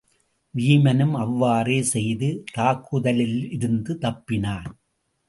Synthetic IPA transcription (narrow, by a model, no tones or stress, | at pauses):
ʋiːmɐnɯmɐʋːaːreːsɛjðɯt̪aːkːɯðɐlɪlɪɾɯnd̪ɯt̪ɐpːɪnaːn